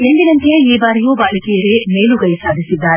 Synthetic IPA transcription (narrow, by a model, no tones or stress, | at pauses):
end̪inɐnt̪jeiːbaːɾijuːbaːlɐkijɐɡemeːluɡɐjɐsaːd̪ʱisid̪ːaːɾe